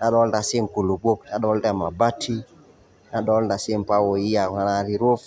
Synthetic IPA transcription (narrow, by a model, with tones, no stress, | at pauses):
na˦ɗɔ˦lda˨si˦ŋ˨ku˨lu˨ɡ͡bo˦kna˦ɗɔ˦lda˦˨ma˨ba˦tʰi˦ | na˦ɗɔ˨˦lda˨si˦m˨pa˦wo˨i˦ja˨a˦na˦ɾi˦ɾo˦f